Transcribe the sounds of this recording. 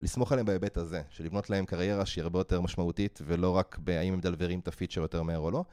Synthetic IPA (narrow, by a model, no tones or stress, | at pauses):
lismo̞χaleembaebethaze̞ʃelivno̞tlae̞mkaʁje̞ʁaʃeiaʁbejo̞te̞ʁmaʃmautitvelo̞ʁakbeaimemd̪alveʁimt̪afit͡ʃeʁjot̪e̞ʁmeeʁo̞lo̞